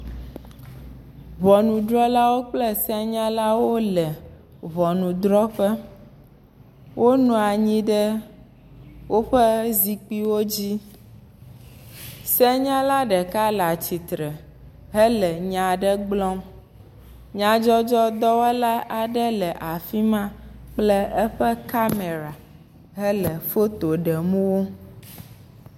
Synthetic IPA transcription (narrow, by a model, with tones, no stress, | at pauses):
vɔ˨nũ˨dɾɔ˦la˦wo˦k͡plɛ˦sɛ˦ɲã˦la˦wo˦lɛ˨ | vɔ˨nũ˨d̪ɾɔ˦ɸɛ˦ | wʔo˦nũ˦a˨ɲĩ˦ɖɛ˦ | wo˦ɸɛ˦zi˨k͡pi˦wo˦d͡ʑi˦ | sɛ˦ɲã˦la˦ɖə˨ka˦la˨t͡ɕi˨t̪ɾə˨ | ɦə˦lə˨ɲã˨ɖə˦ɡ͡blɔ˦m | ɲã˨d͡ʒɔ˦d͡ʒɔ˦d̪ɔ˦wɛ˦la˦ʔa˨ɖə˦lə˨ʔa˨fi˦mã˦k͡plə˦ɛ˦ɸə˦ka˦me˨ɾa˨ | ɦə˦lə˨fo˦t̪o˨ɖə˨mũ˦wo˦